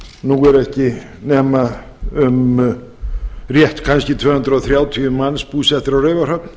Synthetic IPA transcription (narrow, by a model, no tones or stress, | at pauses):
nuːɣɛɾɛhcɪ | nɛːma | ʏm | rjɛht̪kʰanscɪt̪ʰvœːhʏnt̪ɾaɔθɾjaːwt̪ʰiːʏmanspuːsɛht̪ɪɾawrejvaɾ̥hœpn